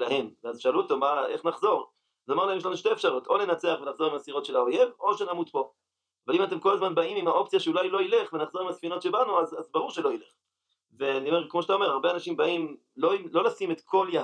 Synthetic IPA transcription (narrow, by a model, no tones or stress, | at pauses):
lahe̞mveazʃaluoto̞maeχnaχzo̞ʁ | azamaʁlahemjelanuʃteefʃaʁoto̞le̞nat͡se̞aχvenaχzo̞ʁimasiʁo̞tʃe̞laoje̞vo̞ʃenamutpo̞ | avalimate̞mko̞lazmanbaimimhaʔo̞pt͡sijaʃeulajlo̞ile̞χvenaχzo̞ʁimasfino̞tʃebanuazazbaʁuʁʃelo̞ile̞χ | veaniomekmo̞ʃeat̪ao̞me̞ʁaʁbeanaʃimbaim | loimlo̞lasimetkʰo̞lja